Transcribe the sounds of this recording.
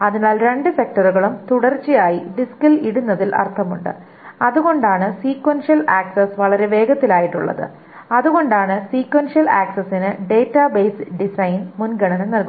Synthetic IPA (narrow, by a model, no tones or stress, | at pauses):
ɐðinaːlɾe̞ɳɖɨse̞k̚ʈɐruɣɐɭumt̪uɽɐrt͡ɕːijaːjiɖiskɐliɽunːɐðilʔɐ̰rt̪ʰɐmuɳɖɨ̰ | ɐðuɣo̞ɳɖaːɳɨsiːkwɐnʂijɐlaːksɐsʋɐɭɐɾeʋe̞ːɡɐt̪ːilaːjiʈːuɭːɐ̰ðɨ̰ | ɐðuɣo̞ɳɖaːɳɨsiːkwɐnʂijɐlaːksɐsːinɨɖe̞ːtːabeːsɖisɐjnmunɡɐɳɐnɨnɐlku